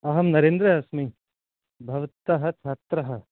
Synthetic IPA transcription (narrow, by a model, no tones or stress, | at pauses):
ɐɦɐmnɐɾeːnd̪ɾɐjasmi | bʱɐʋt̪ːɐɦɐt͡ʃʰaːt̪ɾɐɦɐ̆